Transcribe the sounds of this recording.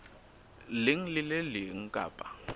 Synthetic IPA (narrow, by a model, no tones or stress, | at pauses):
lɪŋ̩lɪlɛlɪŋ̩kʼa̰ːpʼa